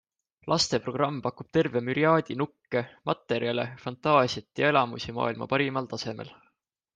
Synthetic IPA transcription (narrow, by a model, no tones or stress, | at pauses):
lʔɑst̪e̞pro̞ɡ̥rɑmːpɑkub̥̚t̪e̞rve̞myɾiɑːd̪̥ʲinukːe̞mɑt̪ːˑe̞ɾjɑle̞̰fɑnt̪ˑɑːsiɑt̪ːˑjɑe̞lɑmusimɑ̰ːilmɑ̰pɑɾimɑlt̪ɑse̞mḛl